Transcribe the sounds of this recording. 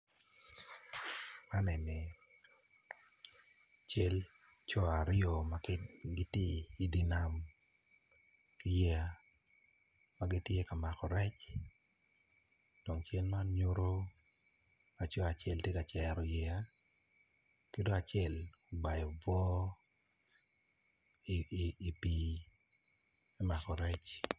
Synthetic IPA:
ka˦nɛ˨nɛ˨ | t͡ʃe˦lt͡ʃɔ˦a˨ɾɪɔ˨ma˨kɡi˦te˦i˨di˦˨na˨m | i˨je˦˨a˨ | ma˦ɡi˦tje˦ka˨ma˨kɔ˨ɾɛ˦t͡ʃ | d̥o˨ŋt͡ʃɛ˦nma˦ɲo˦ɾo˦ | a˨t͡ʃɔ˦a˨t͡ʃɛ˦ltje˦ka˨t͡ʃɛ˨ɾɔ˨jɛ˨a˦ | ke˦do˦a˨t͡ʃɛ˦˨lo˨ba˨jɔ˨vɔ˦ | iː˨pi˨ | mɛ˦ma˨kɔ˨ɾɛ˦t͡ʃ

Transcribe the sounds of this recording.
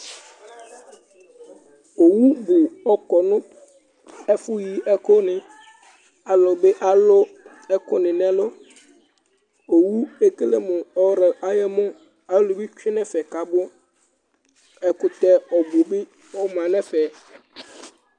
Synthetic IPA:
o˨wu˦bʊ˨ɔ˦kɔ˨nʊ̃˦ | ɛ˦fʊ˦ji˨ɛ˦kʊ˦nɪ̃˨ | a˨lʊ˨bɪ˦ʔa˦lʊ˦ | ɛ˦kʊ˦nɪ̃˨nɛ̃˦lʊ˦ | o˨wu˦e˦ke˦le˦mʊ˨ɔ˦ɾɪ˨a˦jɛ˦mʊ˦ | a˨lʊ˨bɪ˦t͡ʃᶣɪ˦nɛ̃˦fɛ˨ka˨bʊ˦ | ɛ˨kʊ˨t̪ɛ˦ɔ˨bʊ˨bɪ˦ | ɔ˦mã˨nɛ̃˦fɛ˨

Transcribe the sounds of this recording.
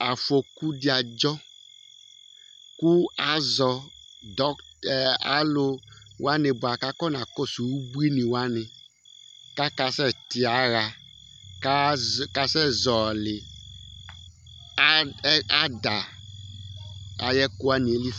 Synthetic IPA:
a˨fo˨ku˦di˦a˨d͡ʒɔ˦ | ku˦a˨zɔ˨ | dɔ˦˨ | a˨lo˦ | wo˦a˦ne˨bo˨a˨ka˦kɔ˦nã˨kɔ˦su˨wu˦bu˦i˦nĩ˨wa˦nẽ˨ | ka˦ka˨sɛ˦t̪i˨a˨˦ɣa˨ | ka˦ka˨sɛ˦zɔ˨lɪ˨˦ | a˦da˨ | a˨jɛ˦ku˦a˦nĩ˨e˨li˦

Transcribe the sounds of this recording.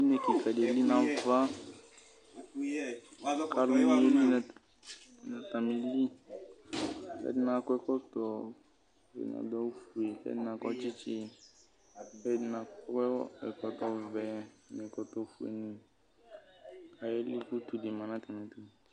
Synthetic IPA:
i˦ne˨ki˨fa˨de˨˦li˦nã˨va˦ | ka˦lʊ˨mĩ˨˦e˦li˦nɛ˨ | na˨t̪a˨mi˨li˦ | kɛ̰˦dɪ˦nã˨kɔ˦ɛ˦kɔ˦tɔ˨ | vɛ̰˨na̰˨dɔ˦fu˨e˨kɛ̰˦dɪ˦na˨kɔ˦t͡ʃɪ˦t͡ʃɪ˦ | kɛ˦dɪ˨˦na˨kɛ˦ɛ˨kɔ˨t̪ɔ˨vɛ˨nɛ˨kɔ˨t̪ɔ˨fu˨ḛ˨nĩ˨ | ka˨je˦li˦ku˦t̪u˨di˨mã˨nã˦ka˨nɛ̃˨tu˨

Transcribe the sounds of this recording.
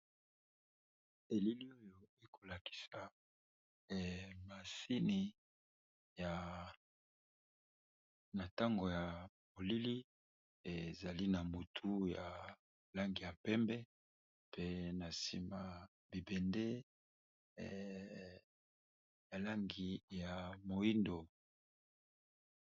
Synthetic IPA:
e˨li˦li˦o˦jo˨e˦kʰo˨la˨ki̥˨sa˨ | ma˨si˦ni˨ | ja˨ | na˨ta˦ŋɡo˨ja˨mo˨li˦li˦ | e˨za˨li˦na˨mu˨tʰu˦ja˨ | la˦ŋɡi˨ja˨pɛ˦mbɛ˦ | pʰe˦na˨sḭ˨ma˨ | bi˨bɛ˨nde˦ | ja˨la˦ŋɡi˨ja˨mo˨i˦ndo˨

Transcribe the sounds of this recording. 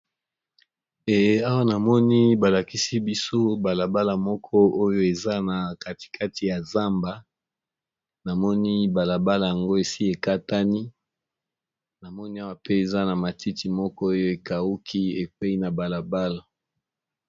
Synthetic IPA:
e˨a˦wa˦na˨mɔ˦ni˦ba˨la˨ki˦si˦bi˦so˦ba˨la˨ba˦la˨mɔ˦kʰɔ˦o˦jo˦e˨za˦na˨ka˦ti̥˨kʰa˦ti˨ja˨za˦mba˨ | na˨mɔ˦ni˦ba˨la˨ba˦la˨ja˨ŋɡo˦e˨si˦e˨ka˦ta˦ni˦ | na˨mɔ˦ni˦a˦wa˨pʰe˦e˨za˦na˨ma˨ti˦ti˨mɔ˦kɔ˦o˦jo˦e˨ka˨u˦kʰi˦e˨kwe˦i˦na˨ba˨la˨ba˦la˨

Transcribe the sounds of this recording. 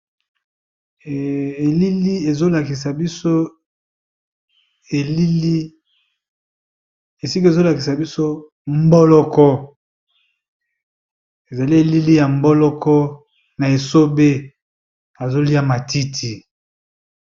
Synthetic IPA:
li˦li˦e˨zo˦la˨ki˨sa˨bi˦so˦ | e˨li˦li˦ | e˨si˦ko˦e˨zo˦la˨ki˨sa˨bi˦so˦ | m˦bɔ˦lɔ˦kɔ˦ | e˨za˨li˦e˨li˦li˦ja˨m˦bɔ˦lɔ˦kɔ˦ | na˨e˨so˦be˦ | a˨zo˦li˦a˦ma˨tʰi˦tʰi˨

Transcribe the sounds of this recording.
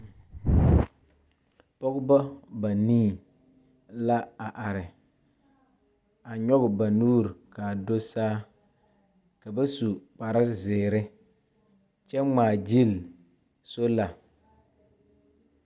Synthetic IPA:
pɔ˦ɡʊ˦ba˦ba˨niː˦˨ | la˦a˨ʔa˨ɾɪ˨ | a˨ɲɔ˦ɡɪ˨ba˨nuː˦ɾka˨do˦saː˦ | ka˨ba˦su˨k͡pa˨ɾɪ˦zɪː˨ɾɪ˦ | t͡ʃɛ˦ŋ͡maː˨d͡ʒi˦˨l | so˦la˨

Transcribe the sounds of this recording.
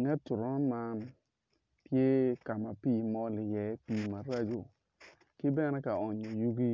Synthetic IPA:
ŋɛ˦tːʊ˨ɾɔ˦ma˦ | pje˦ka˨ma˨pi˦˨mɔ˦lɪ˨jɛ˨˦piː˨ma˨ɾa˦d͡ʒo˨ | kɪ˦bɛ˦nɛ˦ka˨ɔ˨ɲɔ˨ju˦ɡi˦

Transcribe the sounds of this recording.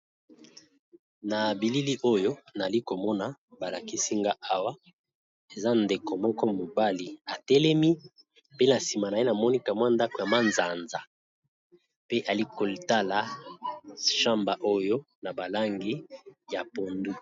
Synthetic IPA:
na˨bi˨li˦li˦ʔo˦jo˦na˨li˦ko˨mɔ˦na˨ba˨la˨ki˦si˦ŋɡa˦ʔa˦wa˦ | e˨za˦nde˨ko˨mɔ˦kɔ˦mo˨ba˦li˨a˨tɛ˦lɛ˦mi˦ | pe˦na˨si˨ma˨na˨e˦na˨mɔ˦ni˦ka˨mwa˦nda˦ko˨ja˨ma˦nza˨nza˨ | pe˦ʔa˨li˦ko˨li˨ta˦la˨˦ | ʃa˦mba˨ʔo˦jo˦ | na˨ba˨la˦ŋɡi˦ja˨po˨ndu˦

